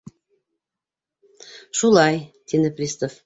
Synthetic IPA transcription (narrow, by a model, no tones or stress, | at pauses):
ʃulɑjt̪id̪eprʲist̪of